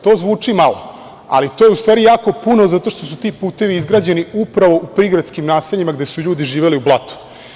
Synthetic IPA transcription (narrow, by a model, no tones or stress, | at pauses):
t̪o̞ːzʋuːt͡ʂimalo̞̰ | a̰lit̪ojeust̪ʋaːɾijaːko̞punozat̪o̞ʃt̪o̞sut̪ipuːt̪e̞ʋiizɡɾaːd͡ʑeniupɾaʋo̞ʔupɾiɡɾad̪skimnaːse̞ʎimaɡd̪e̞suʎuːd̪iʒiːʋe̞liublˠat̪u̥